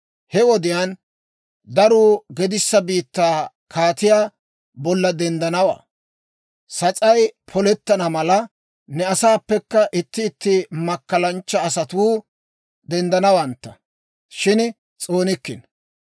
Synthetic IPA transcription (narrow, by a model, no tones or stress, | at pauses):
hɛwɔd̪ɪjan | d̪ɐɾuːɡɛd̪ɪsːɐbiːt̪ːaː | kʰaːt̪ɪjaː | bɔlːɐd̪ɛnd̪ɐnɐwa̰ː | sɐt͡sʼɐjpʰɔlɛt̪ːɐnɐmɐlɐ | nɛɐsaːpːɛkːɐʔɪt̪ːɪːt̪ːɪmɐkːɐlɐnt͡ʃːɐːsɐt̪uː | d̪ɛnd̪ɐnɐwɐnt̪ːɐ | ʃɪn | t͡sʼoːnɪkːɪ̰n